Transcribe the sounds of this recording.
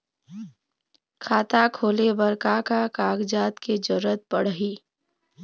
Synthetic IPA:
kʰaːt̪akʰoːlebəɾkakakaːɡd͡ʒaːt̪ked͡ʒəɾət̪̚pəɽ̤ɦiː

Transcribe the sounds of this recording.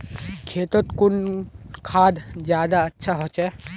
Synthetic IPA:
kʰeːt̪ot̪kʊnkʰaːd̪d͡ʒjaːd̪aɐtːʃʰaɦot͡ʃɛː

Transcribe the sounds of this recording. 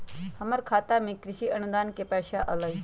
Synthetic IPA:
həməɾkʰat̪amikɾiɕiːʔənud̪ankepaɕaʔələj

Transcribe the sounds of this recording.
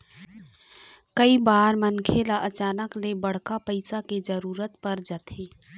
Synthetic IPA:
kəibaːɾmənkʰelaʔɐt͡ʃaːnəklebɐɽ̤kapəɪsaked͡ʒəɾuːɾət̪pɐɾd͡ʒət̪ʰeː

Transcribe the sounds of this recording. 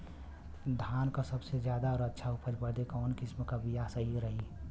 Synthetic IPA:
d̪ʱaːnkasəbsed͡ʒjaːd̪aɔːɾətːʃʰaʊpʰəɾbəɾd̪ekɔːnkɪsmkabijasəɦiɾəɦi

